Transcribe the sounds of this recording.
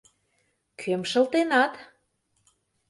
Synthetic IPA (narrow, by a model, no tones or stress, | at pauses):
kʰømʃə̆lt̪enɑt̪